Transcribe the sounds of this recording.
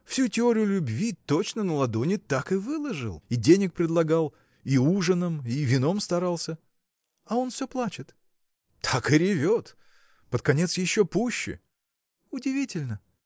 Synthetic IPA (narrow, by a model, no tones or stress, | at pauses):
fsʲutʲɪo̞ɾʲɪjʊlʲʊbvʲit̪ot͡ɕnənəlˠɐd̪o̞nʲɪt̪akɨvɨlˠəʐɨ̰lˠidʲenʲɪk̚pɾʲɪd̪lˠɐɡalˠ | iuʐɨnəmivʲɪno̞mst̪ɐɾalˠsʲə | ɐo̞nfsʲoplˠat͡ɕɪt̪ | t̪ʰakɪɾʲɪvʲot̪ | pət̪̚kɐnʲe̞t̪sjɪɕːopuɕːɪ̰ | ʊdʲɪvʲitʲɪlʲnə